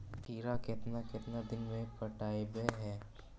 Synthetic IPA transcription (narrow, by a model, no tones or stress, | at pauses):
k̪iːɾakɪt̪nakɪt̪nad̪ɪnmẽpɐʈaːebeɦɛː